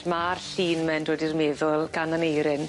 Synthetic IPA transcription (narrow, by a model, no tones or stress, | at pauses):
marɬiːnmɛndodirmeːðɔlˠɡananejɾɪn